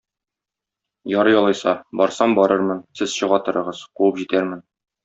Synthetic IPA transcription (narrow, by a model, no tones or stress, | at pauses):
jɒɾɤjɒlˠɤjsɑbɒɾsɑmbɒɾɤɾmɤnsɘzɕɤ̆ʁɑt̪ɤ̆ɾɤ̆ʁɤz̥quwɤpʑit̪æɾmɘn